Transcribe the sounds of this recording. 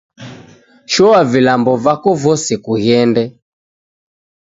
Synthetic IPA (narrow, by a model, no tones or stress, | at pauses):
ʃɔavilambɔvakɔvɔsɛkuɣɛndɛ